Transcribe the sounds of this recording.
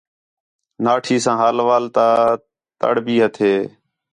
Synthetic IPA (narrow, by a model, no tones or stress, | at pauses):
naːʈʰiːsãːɦaːlʋaːlt̪aː | t̪ə̰ɽbiːɦət̪ʰeː